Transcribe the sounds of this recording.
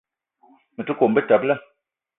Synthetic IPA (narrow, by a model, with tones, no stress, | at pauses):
mə˨tu˦ko˨mbə˦ta˨plɛ˦